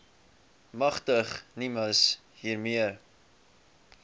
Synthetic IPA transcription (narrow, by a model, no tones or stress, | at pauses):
mɐχtəχniməs | ɦiːrmiər